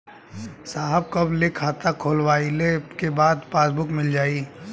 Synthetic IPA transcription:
saːɦəb̚kɐblekʰaːt̪akʰoːlwaːilekebaːd̪paːsbʊkmɪld͡ʒaːiː

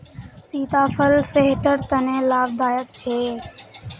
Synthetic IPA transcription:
siːt̪aːpʰəlseɦʈəɾt̪ənẽːlaːb̚d̪aːjət̪̚t͡ʃʰeː

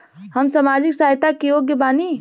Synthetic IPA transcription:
həmsamaːd͡ʒɪksaːjt̪akijoːɡjebaːni

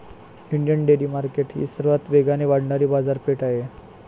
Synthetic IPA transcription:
iɳɖjəɳɖeliːmaɾkeʈɦḭːsəɾʋat̪ʋeɡaneʋaɽɳaɾiːbad͡zaɾpeʈaɦe

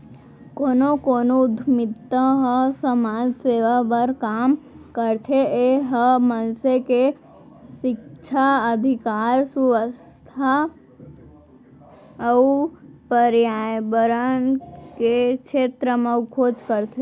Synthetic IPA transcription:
koːnokonoʊd̪ʱmɪt̪ːəɦəsəmaːd͡ʒseːʋabəɾkaːmkəɾt̪ʰeeɦəmənseke | ʃɪkt͡ʃʰaəd̪ʱɪkaːɾsuʋəs | t̪ʰa | əupəɾjajbəɾənkekt͡ʃʰeːt̪ɾəmaukʰoːd͡ʒkəɾt̪ʰe

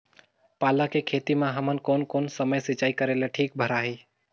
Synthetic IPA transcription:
paːlakekʰeːt̪imãːɦəmənkoːnkoːnsəməjsɪt͡ʃaːikəɾeːleʈʰiːk̚bʱəɾaːɦeː

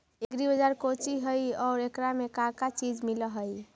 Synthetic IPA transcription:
eɡɾibəd͡ʒaɾkot͡ʃiɦəjɔːɾekɾamekakat͡ʃid͡ʒmiləɦəj

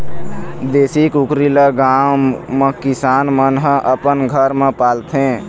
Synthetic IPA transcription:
d̪esikukɾiləɡawmekisanmənɦəʔəpənɡʱəɾmepalt̪ʰẽ

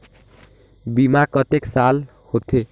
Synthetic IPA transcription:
bimakʌt̪eksal | hot̪ʰe

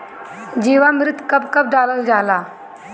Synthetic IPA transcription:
d͡ʑiːʋamɾɪt̪kəbkəb̚ɖaːləld͡ʒaːla

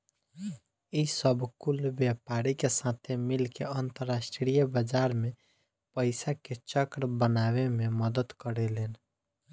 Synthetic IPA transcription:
isəbʱkulbjepaɾikesãt̪ʰemilkeənt̪əɾːasʈɾijəbəd͡ʒaɾme | pəɪsaket͡ʃəkɾbənawememəd̪əd̪kəɾɛlen

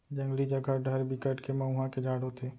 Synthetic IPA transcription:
d͡ʒə̃ŋɡlid͡ʒəɡaɖʱəɾbʱikəʈkʰemãʊɦãkʰed͡ʒʱaːɽot̪ʰeː

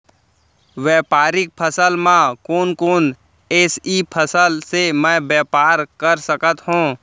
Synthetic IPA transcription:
ʋɛːpaːɾɪk̚pʰəsəlmãkoːnkoːn | eːsiːpʰəsəlsemɛ̃bɛːpaːɾkəɾsəkət̪ɦũː

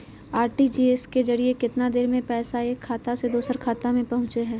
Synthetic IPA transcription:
aːɾʈid͡ʒiːeskezɐɾiekɪt̪nad̪eːɾmẽpɛːsaeːkʰːaːt̪ased̪oːsəɾkʰaːt̪amẽpɐɦʊ̃t͡ʃeɦɛ̃ː

